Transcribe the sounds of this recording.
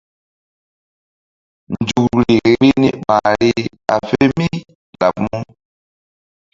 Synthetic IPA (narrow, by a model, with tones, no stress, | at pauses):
nd͡ʒu˨k̚ɾi˨ɾi˦ni˦ma˨ɾi˦ | a̰˨fe˦mi˦ | la̰˨p̚mu˦